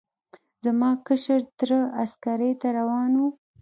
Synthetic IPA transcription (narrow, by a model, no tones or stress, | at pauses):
zamɑkəʃəɾt̪ɾəaskaɾejt̪aɾawɑnu